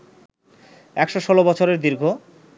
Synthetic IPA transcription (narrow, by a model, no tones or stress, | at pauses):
ɛkʃoʃʰɔlobɔt͡ɕʰoɾeɾd̪iɾɡʱo